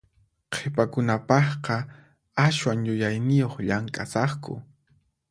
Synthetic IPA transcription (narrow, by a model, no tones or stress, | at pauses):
qʰepakʊnapɑχqɑ | aʃwaŋjʊjajnɪjoχʎaŋkʼasɑχkʊ̰